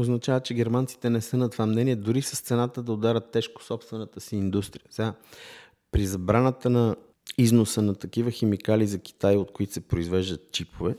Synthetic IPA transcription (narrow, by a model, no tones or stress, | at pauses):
oznɐt͡ʃavət͡ʃɛɡɛɾmant̪si̥t̪ɛnɛsənɐt̪vamnɛniɛd̪ʊɾisəst̪sɛnat̪əd̪ɐod̪aɾʲət̪ːɛʃkʊ̥sɔpst̪vɛnət̪əsiːnd̪ust̪ɾijəsɛɡa | pɾizɐbɾanət̪ənɐ | iznosənɐt̪ɐkivəxɛmikalizɐkʲi̥t̪ajot̪̚koit̪o̥sɛpɾoizvɛʒd̪ət̪̚t͡ʃipʰovɛ